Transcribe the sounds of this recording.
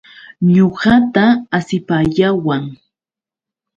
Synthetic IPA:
ɲoɢɑt̪aːsɪpajawaŋ

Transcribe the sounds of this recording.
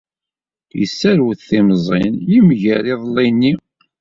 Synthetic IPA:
jə̰sːæɾwθθimzˤɪ̰njimʝæɾiðˤlːinːi

